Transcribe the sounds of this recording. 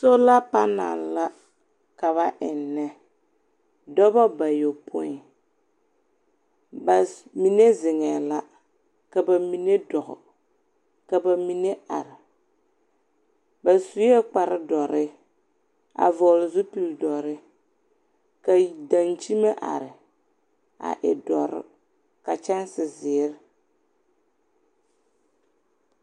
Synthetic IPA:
so˦la˦pa˦na̰˨lla˦ | ka˨βa˦ʔɪ˨nːɛ˦ | dɔ˦bɔ˦ba˨jo˨pʰʊ̰˦ɪ˦ | ba˨mi˨ne˦zɪ˨ŋɛː˨la˦ | ka˨ba˨mi˨ne˦dɔ˨ɣʊ̰˨ | ka˨ba˨mi˨ne˦a̰˨ɾɪ˨ | ba˨su˨˦jɛ˦k͡pa˨ɾɪ˦dɔ˨ɾɪ˦ | a̰˨vɔː˨lʊ˨zʊ˦pi˦ldɔ˨ɾɪ˦ | ka˨da˨nt͡ʃi˦ma˦ʔa̰˨ɾɪ˨ | a̰˨ʔɪ̰˨dɔ˨ɾɪ̰˦ | ka˨t͡ʃɛ˦n˦sɪ˨zɪː˨˦ɾ

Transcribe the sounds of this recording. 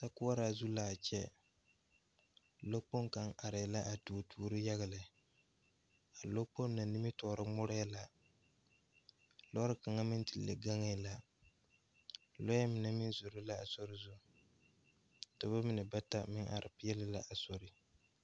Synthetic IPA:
ta˦kʊ˦a˦ɾa˨zu˦laː˨t͡ʃɛ˦ | lo˦k͡po˦ŋka˨ŋa˨ɾɪ˨la˦ʔa˨tu˨tʰuː˨ɾɨ˦ja˦ɣa˨lɪ˨ | a˨lo˦k͡po˦n˦na˨nɪ˦mi˦tɔː˨ɾɨ˦ŋ͡mʊ˦ɾa˦ja˦la˨ | lɔ˦ɾɨ˦ka˨ŋa˦mɪ˦n˦ti˨lːe˨ɡa˦ŋɛ˨la˨ | lo˦jɛ˦mɪ˨na˦mɪ˦zʊ˨ɾɨ˦la˦a˨so˦ɾɪ˦zʊ˦ | ta˨ba˦mɪ˨nɨ˨ba˦ta˦mɪ˦ŋʔa̰˨ɾʔɨ˨pɪ˦jɛ˦lɪ˦la˦ʔa˨so˨ɾɪ˦

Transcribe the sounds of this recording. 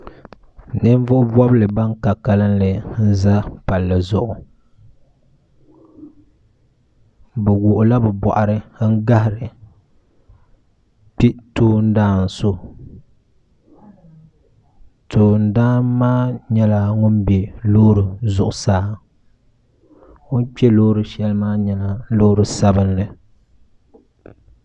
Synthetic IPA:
nɨ˦ɱ˦vʊ˦ʔʊ˦bɔ˦blɨ˨ba˦ŋka˨ka˨lɨ˦nlɨ˨n̩˦za˦pa˨lːɨ˨zʊ˨ʔʊ˨ | bɛ˨wʊ˨ʔʊ˨la˦bɛ˨bɔ̰˨ʔa˨ɾɨ˦ŋ̩˦ɡa˦hɪ˨ɾɨ˨ | pi˦toː˦n̩˦daː˦n̩˨so˦ | tʰoː˨n̩˨daː˦mːaː˦ɲɛ˦la˨ŋʊ˦nbɛ˨loː˦ɾɨ˨zʊ˨ʔʊ˨saː˦˨˦ | ŋʊ˦n˦k͡pɛ˦lo˦ɾɨ˨ʃɛ˦lmaː˦ɲɛ˦la˨lo˦ɾɨ˨sa˦bɨ˦nlɨ˨

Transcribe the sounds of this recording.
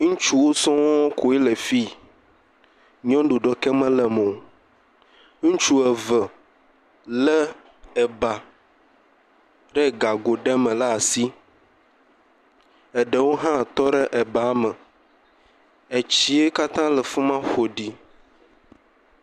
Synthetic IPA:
ŋũ˦t͡ʃu˦wo˦sɔ̃˦wɔ˦kʰo˨e˦lə˨fi˦ | ɲɔ̃˦ɖu˨ɖɔ˨kɛ˦mə̃˦lɛ˨mɔ̃˨ | ŋũ˦t͡ʃu˦ɛ˨və˨ | lə˦ | ɛ˨ba˨ | ɖɛ˦ɡa˨ɡo˨ɖɛ˦mɛ̃˨la˦˨si˦ | ɛ˨ɖɛ˨wo˦ɦã˦˨t̪ɔ˦ɖɛ˦ʔɛ˨ba˨a˦mə̃˨ | e˨t͡ɕi˦e˦ka˦t̪ã˦lɛ˨fu˦mã˦xo˨ɖi˨

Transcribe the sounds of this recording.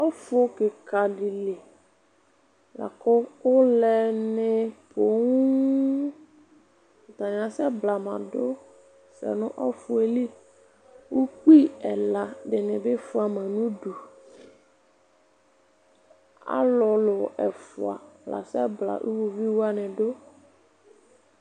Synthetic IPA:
ɔ˦fʊ˦kɪ˨kʰa˨di˨le˨ | la̰˨kʊ˦wʊ˦lɛ˦˨nɪ˦pʰo˨ŋu˦˨ | t̪a˨ɲ˨ã˨sɛ˦bla˨mã̰˨dʊ˦ | sɛ̰˨nʊ̃˦ʔɔ˦fʊ˨e˨li˦ | wu˦k͡pi˦ɛ˨la˨ɖɪ˨nɪ̃˨be˦fʊ˦a˨mã˨nũ˦du˨ | a̰˦lɔ˨lʊ˨ɛ˨fʊ̰˨a̰˨la̰˨sɛ˦bla̰˨ʔṵ˦wo˨vi˦wo˦a˨nɪ̃˨ɖo˦

